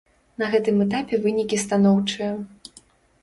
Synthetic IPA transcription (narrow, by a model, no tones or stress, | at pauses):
nɐɣɛt̪ɨmɛt̪̬apʲɛvɨnʲikʲist̪anɔwt͡ʂɨjɐ